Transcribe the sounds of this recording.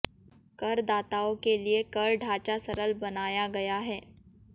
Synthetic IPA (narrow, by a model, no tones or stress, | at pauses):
kɐɾd̪aːt̪aːõkeliekɐɾɖʱaːt͡ʃasɐɾəlbɐnaːjaɡɐjaɦɛː